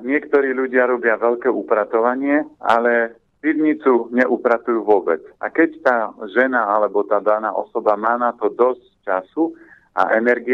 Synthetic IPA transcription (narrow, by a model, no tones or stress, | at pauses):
ɲɪɛkt̪ɔɾiːʎuɟɪaɾɔbɪaʋɛʎkɛːʔupɾat̪ɔʋaɲɪɛa̰lɛ | piʋɲit͡suɲɛʔupɾat̪ujuːʋʊɔbɛt͡sa̰kɛct̪aːʒɛnaalɛbɔt̪aːd̪anaːʔɔ̰sɔbamaːnat̪ɔd̪ɔsct͡ʃasu | a̰ʔɛnɛɾɡi